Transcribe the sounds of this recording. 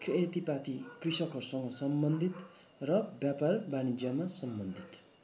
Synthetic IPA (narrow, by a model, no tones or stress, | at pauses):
kʰret̪ipat̪ikrisʌkʌsʌŋɡʌsʌmbʌnd̪ʱit̪ | rʌbjaparbanid͡zjʌmasʌmbʌnd̪ʱit̪